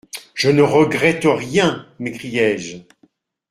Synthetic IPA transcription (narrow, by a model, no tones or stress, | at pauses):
ʒ̥ənəʁəɡʁɛt̪əʁjɛ̃mekχijɛʒ